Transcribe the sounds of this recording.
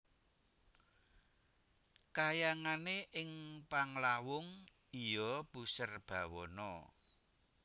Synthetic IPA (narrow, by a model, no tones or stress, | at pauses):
kajaŋaneʔɪŋpaŋlawʊŋ | ijɔb̥usərb̥a̤wɔnɔ̰